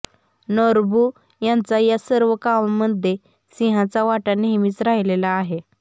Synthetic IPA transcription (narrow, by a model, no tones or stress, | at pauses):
nɔɾbʱuː | jãnt͡sajasəɾʋəkamməd̪ʱːe | siɦãt͡saʋaʈaniɦmiːt͡sɾaɦilelaːɦe